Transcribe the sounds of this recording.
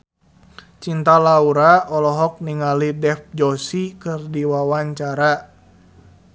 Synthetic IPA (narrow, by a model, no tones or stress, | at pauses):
t͡ʃint̪alauɾaɔlɔɦɔk̚niŋalidɛf̚d͡ʒɔsikɨrdiwawaɲt͡ʃaɾa